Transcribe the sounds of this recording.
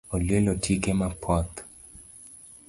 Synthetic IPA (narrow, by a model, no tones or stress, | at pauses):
olielɔtʰikemapʰɔt̪